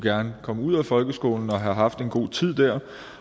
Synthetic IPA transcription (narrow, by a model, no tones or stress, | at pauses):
ɡ̥æɐnəkʰɒ̽məuð̞̰ˠæfɒ̽lɡ̥əsɡ̥o̝̰ːln̩ɒ̽ɦæ̈ɦɑ̈fd̥e̝nɡ̥o̝̰ːt͡sʰið̞̰ˠd̥æɐ̰